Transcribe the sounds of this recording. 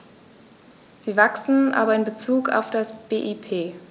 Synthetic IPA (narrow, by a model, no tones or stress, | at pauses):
z̥iːvaksn̩ʔa̰ːbɐɪnbət͡suːka̰ʊfd̥asb̥eːʔipʰeː